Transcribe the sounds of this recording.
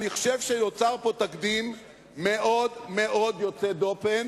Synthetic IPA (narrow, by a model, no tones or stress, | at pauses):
niχʃevʃejot͡saʁpo̞t̪akd̪imː | e̞ʔo̞dme̞ʔo̞d̪jo̞t͡sed̪open